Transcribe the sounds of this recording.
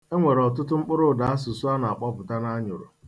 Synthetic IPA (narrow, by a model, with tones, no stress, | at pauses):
e˦ŋʷe˨ɾɔ˨tʊ˦tʊ˦ŋ͡m̩˦k͡pʊ˦ɾʊ˦˨da˨a˦s̬ʊ˨sʊ˦a˦na˨a˨k͡pɔ˦pʊ˨ta˦na˦ɲʊ˨ɾʊ̰˨